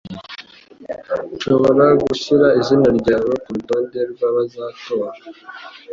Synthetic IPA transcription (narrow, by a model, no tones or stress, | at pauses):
nʃo̞βo̞ɾaɡuçiɾaizinaɾɟaːβokuɾubaːndeɾɡwaβazaːto̞ɾa